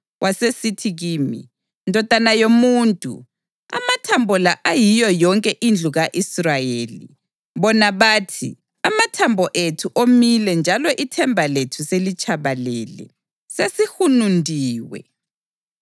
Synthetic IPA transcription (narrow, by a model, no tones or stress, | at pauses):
wʔasesitʰiɣiːmḭ | ndʱɔtʼanajomuːntʼṵ | a̰matʰambʱɔlaʔajijɔjɔŋkʼɛʔind͡ɮʱuɣaʔisrajeːlḭ | βɔnaβaːtʰḭ | amatʰambʱɔʔetʰuʔomilɛnd͡ʒʱalɔʔitʰɛmbʱaletʰuselit͡ʃʼaβalɛlɛ̰ | sesihunundʱiːwɛ̰